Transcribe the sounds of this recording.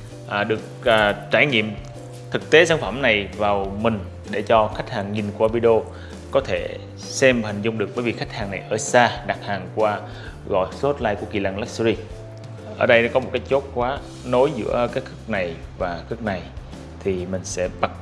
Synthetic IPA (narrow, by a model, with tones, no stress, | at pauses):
ʔaː˨˩ɗɨ˨˩ək̚ʔːt͡ɕaː˧˩jŋḭ˧˨əm | t̪ʰɨ˨˩k̚t̪e˨˦saː˧˩nfə˧˩mna˨˩jvaː˨˩wmï˨˩ŋ̟ | ɗe˧˩t͡ɕɔ˧xa˦˥jk̟̚haː˨˩ŋːi˨˩nku˧˨ʔa˧ɓi˧ɗo˧ | kɔ˨˦t̪ʰe˧˩ | sɛ˧mhə˨˩ŋ̟zʊ˧ŋ͡mɗɨ˨˩ək̚ɓəː˧˦vi˨˩xa˦˥jk̟̚haː˨˩ŋna˨˩jʔəː˧˩saː˧ɗa˨˩k̚haː˨˩ŋkwaː˧ | ɣɔ̰˧˨jso˦˥t̚la̰ː˧˨jku˧˩ki˨˩la˧˩ŋla˦˥k̚szi˧ | ʔəː˧˩ɗə˧jn˨˦kɔ˨˦mo˨˩kaː˨˦j̚t͡ɕo˦˥t̚kwaː˨˦ | no˨˦jzɨ̰˧˥əkaː˨˦jkʰɨ˦˥k̚na˨˩jvaː˨˩kɨ˦˥k̚na˨˩j | t̪ʰi˨˩mï˨˩ŋ̟sɛ̰˧˥ɓa˨˦˩k̚